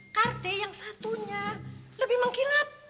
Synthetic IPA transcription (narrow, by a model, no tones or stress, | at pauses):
kart̪ɛjaŋsat̪uɲaləbɪhməŋkinap̚